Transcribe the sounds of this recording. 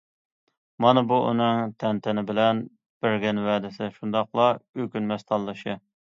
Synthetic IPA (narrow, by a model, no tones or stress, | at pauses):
mɑnɨbuʔṵnɨŋt̪ʰɛnt̪ʰɛnɪbɪlɛn | b̥ɪɾɡʲɛnwɛːd̪ɪsɪʃund̪ɑqlˠɑykʲynmɛst̪ʰɑlˠːɨʃɨ